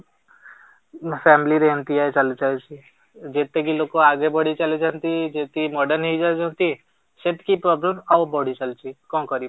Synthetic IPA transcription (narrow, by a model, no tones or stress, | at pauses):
fʰɛːmliɾeɦnt̪iaet͡ʃɐlt͡ʃaet͡ʃi | d͡ʒeːt̪ekiloːkoaːɡebɔɽ̤it͡ʃɐlid͡ʒant̪id͡ʒeːt̪imɔːɖəɾnɦid͡ʒad͡ʒãnt̪i | set̪kipɾɔːbləmawbɔɽ̤it͡ʃɐlt͡ʃikɔ̃ːkəɾi